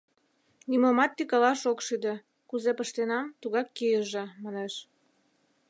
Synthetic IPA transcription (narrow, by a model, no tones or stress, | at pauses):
nʲimomɑt̪ːikɑlɑʃokʃyd̪ĕ | kuzepəʃt̪enɑmt̪uɣɑkːijəʒĕmɑneʃ